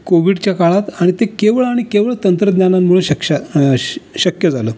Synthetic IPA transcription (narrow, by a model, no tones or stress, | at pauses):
koʋiɽt͡ɕjakaɭat̪aɽ̃it̪ekeʋəɭaɽ̃ikeʋəɭt̪ənt̪ɾəd̪njanammuɭəɕəkɕa | ɕəkjəd͡zaləː